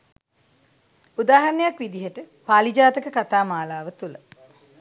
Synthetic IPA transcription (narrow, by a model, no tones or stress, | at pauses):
ud̪aːɦɐɾnːejakʋid̪iɦəʈə | paːlid͡ʒaːt̪əkəkat̪aːmaːlaːʋət̪ulə